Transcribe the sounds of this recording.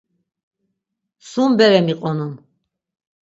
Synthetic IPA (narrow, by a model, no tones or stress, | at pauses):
sumbɛɾɛmiqʼɔnun